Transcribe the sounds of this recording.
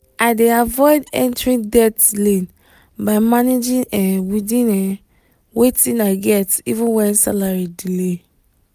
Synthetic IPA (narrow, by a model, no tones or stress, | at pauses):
aɪdeavɔɪdɛ̃ntɹĩndɛtlẽn | baɪmaned͡ʒĩnɛ̃widĩnɛ | wetʰĩnaɪɡɛtivũnwɛ̃nsa̰laɹidile